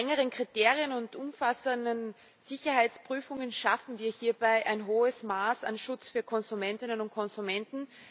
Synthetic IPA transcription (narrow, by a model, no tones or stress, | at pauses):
ɛŋəʁ̞ənkʁ̥iteːʁiənʊntʔʊmfasəndən | z̥ɪçɐhaɪt͡spʁ̥yːfʊŋənʃafn̩viːɐhiːɐbaɪʔaɪnɦoːəsmaːsa̰nʃʊt͡sfyːɐkʰɔnzumɛntɪnənʊnt̚kʰɔnzumɛntn̩